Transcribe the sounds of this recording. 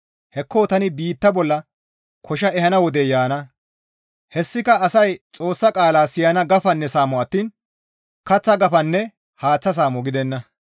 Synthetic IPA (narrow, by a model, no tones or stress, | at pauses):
hɛkʰːoːt̪ɐnɪbiːt̪ːɐbɔlːɐ | kʰɔʃ̬ɐɛhɐnɐwɔd̪ɛjaːnɐ | hɛsːɪkɐʔɐsɐjt͡sʼo̞ːsːɐkʼaːlaːsɪjɐnɐɡɐfɐnːɛsaːmɔɐt̪ːiːn | kɐt͡sːɐɡɐfɐnːɛ | haːt͡sːɐs̬aːmɔɡɪd̪ɛnːɐ